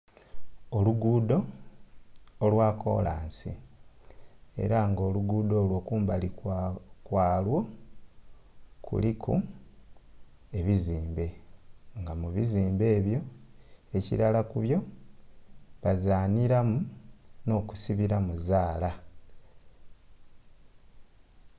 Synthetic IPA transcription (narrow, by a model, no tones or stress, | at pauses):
oluɡuːdo̞ | lwaːko̞̰ːlaːnsḭ | e̞̰ɾaŋɡo̞ːluɡuːdo̞ːlwo̞ːkuːmbalikwaːlwo̞ | kṵlikʰu | e̞βiziːmbe̞ŋɡamuβiziːmbe̞ːβjo̞e̞cḭɾalakuβjo̞ | βazaːniɾamuno̞ːku̥siβiɾamuzaːla